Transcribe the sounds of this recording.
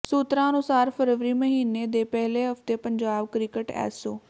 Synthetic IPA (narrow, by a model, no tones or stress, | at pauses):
suːt̪ɾãːənʊsaːɾpʰəɾʋɾiːməɦiːneːd̪eːpɛɦleːɦəft̪eːpəɲd͡ʒaːbkɾɪkəʈɛ̰ːsoː